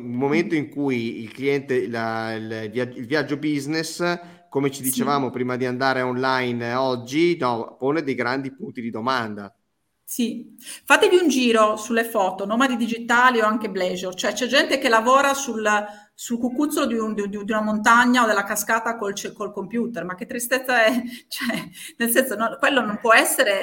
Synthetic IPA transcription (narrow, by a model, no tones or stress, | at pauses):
ulmoment̪oiŋkujilkliɛnt̪elalvjad͡ʒilvjad͡ʒːobiznes | komet͡ʃid̪it͡ʃevaːmopɾiːmad̪iand̪aːɾeɔnlajnɔd͡ʒːinɔponed̪ejɡɾand̪ipunt̪id̪id̪omand̪a | si | fat̪ːeviund͡ʒiːɾosulːefɔːt̪onoːmad̪id̪id͡ʒit̪aːlioaŋkeblɛd͡ʒort͡ʃoɛt͡ʃɛd͡ʒɛnt̪ekelːavɔːɾasul | sulkukːut̪sːolod̪ind̪d̪id̪iunamont̪aɲːaod̪elːakaskaːt̪akolt͡ʃekolkompjuːt̪ermak̟ːet̪ːɾist̪et̪sːaɛt͡ʃɛnelsɛnsononkwelːonompwɔɛsːeɾe